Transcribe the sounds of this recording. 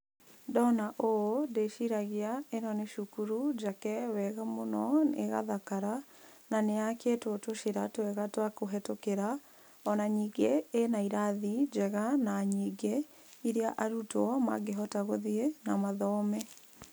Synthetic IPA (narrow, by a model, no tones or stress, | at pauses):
dɔnaʔoodeʃiɾaɣeaenɔneʃukuɾud͡ʒakɛwɛɣamonɔnḛɣa̰ðakaɾa | naneaketotoʃeɾatwɛɣatwakoɦɛtokeɾa | ɔnaɲiːɡenaiɾaðid͡ʒɛɣanaɲiːɡe | iɾiaʔaɾutɔma̰ɡeɦɔtaɣoðienamaðɔmɛ